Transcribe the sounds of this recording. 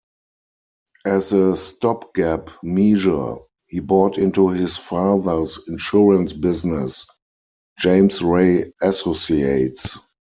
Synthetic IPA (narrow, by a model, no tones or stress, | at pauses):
ʔæzəstɔpɡ̥æpmiʒə̰˞ | hiːbɹɔːtɪ̃ntuhɪsfaːðə˞sɪ̃nʃuɹə̃nsbɪznɪs | d͡ʒẽɪ̃msɹeɪæsosieɪts